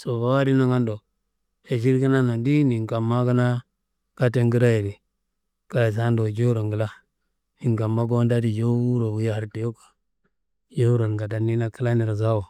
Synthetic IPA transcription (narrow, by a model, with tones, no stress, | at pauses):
so˨ba˦wa˦ɾi˦na˦ŋa˦ndo˨ | e˨ʃ̬i˦ɾki˦na˦no˨ndi˦ni˨ŋka˨mːa˦ka˦na˦ | ka˦te˦ŋɡi˦ɾa˦je˨ɾi˨ | ka˨s̬a˦ndo˨d͡ʒo˦ɾo˨ŋɡi˨la˦ | ni˨ŋka˨mːa˦ɡo˦nda˦di˨d͡ʒo˦u˦ɾo˨bu˨ja˦ha˨ɾte˨jo˦kḁ˨ | d͡ʒo˦u˦ɾo˨ŋɡa˨da˨nːi˦na˦ki˦la˦ni˨ɾa˨za˦wo˨